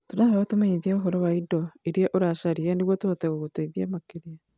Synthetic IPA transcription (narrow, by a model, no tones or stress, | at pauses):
tonaheɣɔtomeiðiaoɦɔɾɔwaidɔeɾiɔʔoɾaʃaɾiɛneɣwɔtootɛɣoɣotaiðiamakeɾia